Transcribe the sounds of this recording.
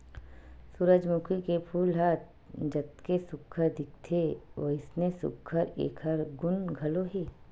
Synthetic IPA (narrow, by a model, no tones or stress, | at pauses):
sʊɾəd͡ʒmʊkʰikepʰuːlɦat̪̚ | d͡ʒɐt̪̚kesʊkʰːəɾd̪ɪk̚t̪ʰeʋo̰ɪsnesʊ̰kʰːəɾḛːkʰəɾɡʊnɡʱɐloɦeː